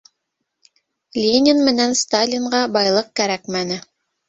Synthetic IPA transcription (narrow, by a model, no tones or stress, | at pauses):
lʲenʲɪnmɘ̆nænst̪alʲiɴɢɑbɑjlˠɤq̚kæɾækmænɘ